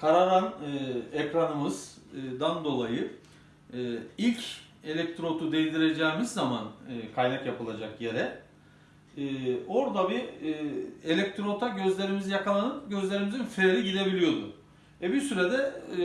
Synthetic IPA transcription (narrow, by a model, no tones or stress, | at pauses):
kʰaɾaɾanɯecɾanɯmɯz̥ːd̪and̪o̞lˠajɯː | ilʲc | e̞lʲɛc̚t̪ɾo̞t̪ʰud̪ejnd̪iɾe̞d͡ʒɛːmizːamanɯːkʰajnakjapɯlˠad͡ʒakjeɾɛ | o̞ɾd̪abi | elʲɛc̚t̪ɾo̞t̪ʰaɟø̞zlʲe̞ɾimizijakʰalˠanɯnɟø̞zlʲe̞ɾimizinfeɾʲiɟid̪e̞bilʲijo̞d̪ʊ̰ | vɛbisyɾed̪ɛ